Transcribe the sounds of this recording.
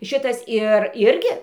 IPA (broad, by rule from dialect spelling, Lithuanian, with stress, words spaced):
ˈʃʲɪtɐs ˈɪr ˈɪrʲɡʲɪ